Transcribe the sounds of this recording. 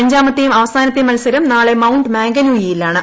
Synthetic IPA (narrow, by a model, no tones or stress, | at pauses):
ɐɲd͡ʑaːmɐt̪ːejumɐʋɐsaːnɐt̪ːejumɐlusɐɾumnaːɭe̞mɐwuɳɖɨmeːŋɡɐluːjijilːaːɳɨ